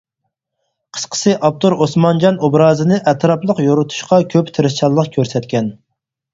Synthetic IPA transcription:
qʰə̥sqʰə̥sɨʔɑp̚t̪oɾosmɑnd͡ʒɑnobɾɑːzɨnɨʔɛt̪ʰɾɑplˠəqjoɾut̪ʰu̥ʃqɑkʲʰøpt̪ʰɨɾɨst͡ʃʰɑlˠːəqkʲʰøɾsɛt̪̚kʲɛn

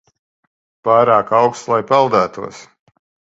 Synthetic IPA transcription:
paːɾaːkawkst̪lˠajpɛlˠd̪æːt̪uɔs

